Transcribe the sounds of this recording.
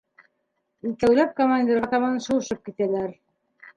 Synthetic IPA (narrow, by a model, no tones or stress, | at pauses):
it̪æwlæp̚komanʲd̪ʲeɾɑt̪ɑmɑnʃuwɤ̆ʃɤp̚kit̪ælæɾ